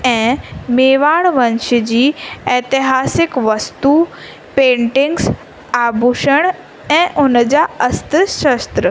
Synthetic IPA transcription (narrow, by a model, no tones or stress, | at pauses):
ɛ̃ːmeːʋaːɽʋɐ̃nʃɪd͡ʑiːɛːt̪ɪɦaːsɪkʋɐst̪uː | pẽːɳʈɪ̃ŋɡs | aːbʱuʃəɽ̃ | ɛ̃ːʔʊnəd͡ʑaːɐst̪əʃɐst̪ɾə